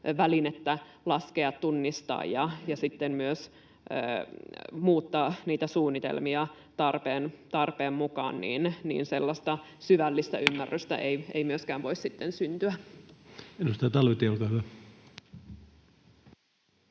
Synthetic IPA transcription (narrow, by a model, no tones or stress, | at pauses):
ʋælinet̪ːælɑskeɑt̪tunːist̪ɑ̰ːjjɑjɑsit̪ːemmyøsː | muːt̪ːɑːniːt̪æsuːnːit̪ḛlmiɑ | t̪ɑrpeːnt̪ɑrpeːmmukɑ̰ːnnḭːnnḭːnselːɑst̪ɑ | syʋælːist̪æymːærːyst̪æ̰ʔeieimyøskæːʋʋo̞issit̪ːensynt̪yæ | edust̪ɑjt̪ɑlʋet̪eolkɑhyæ